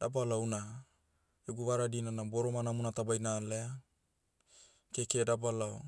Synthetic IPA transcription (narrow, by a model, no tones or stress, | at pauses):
dabalawna | eɡuβaɾadinanaboɾomanamunatabajnalea | kekedabalao